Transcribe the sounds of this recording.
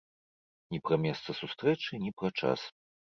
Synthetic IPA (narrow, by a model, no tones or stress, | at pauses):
nʲipɾɐmʲɛst̪sɐsust̪ɾɛt͡ʂɨnʲipɾɐt͡ʂa̰s